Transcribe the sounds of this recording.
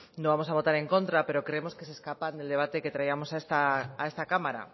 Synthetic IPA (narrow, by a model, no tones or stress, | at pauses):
nõβamosaβot̪aɾeŋkõnt̪ɾapeɾokɾeemoskeseskapand̪eld̪eβ̞at̪eket̪ɾaiamosaest̪aːest̪akamaɾa̰